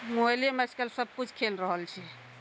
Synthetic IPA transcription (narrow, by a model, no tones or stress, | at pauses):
mojlemaskəlsəb̚kut͡ʃʰkʰelɾəɦəlt͡ʃʰɛ